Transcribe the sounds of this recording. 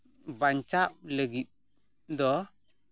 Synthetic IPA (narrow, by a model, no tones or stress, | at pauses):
baɲt͡ʃap̚ləɡit̪̚ | dɔ